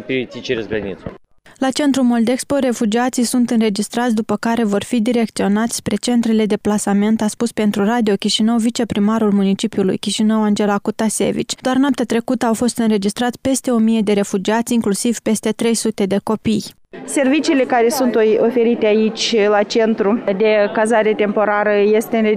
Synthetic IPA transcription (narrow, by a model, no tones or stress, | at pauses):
piisit͡ʃeɾesɡɾənḭt̪s | lat͡ʃe̞nt̪ɾumo̞ld̪e̞kspo̞ɾe̞fud͡ʒiat̪sijsunt̪ɨnɾe̞d͡ʒist̪ɾat̪sʲd̪upəkaɾe̞vo̞rfid̪iɾe̞k̚t̪sio̞nat̪sʲspɾe̞t͡ʃe̞nt̪ɾele̞d̪e̞plasame̞nt̪aspuspe̞nt̪ɾurad̪io̞kʲiʃinəwvit͡ʃe̞pɾimaɾulmunit͡ʃipiulṵjkʲiʃinəwand͡ʒe̞lakut̪asʲe̞̰vḭt͡ʃʲd̪̥oarnoap̚t̪ʲat̪ɾe̞kut̪əawfo̞st̪ɨnɾe̞d͡ʒist̪ɾat̪sʲpe̞st̪e̞o̞mije̞d̪e̞ɾe̞fud͡ʒiat̪sʲiŋklusiv̥pe̞st̪e̞t̪ɾe̞jsut̪e̞d̪e̞ko̞pij | se̞rvit͡ʃiːle̞kaɾe̞sunt̪ofe̞ɾit̪eait͡ʃʲlat͡ʃe̞nt̪ɾud̪e̞kazaɾe̞t̪e̞mpo̞ɾaɾəjest̪eɨne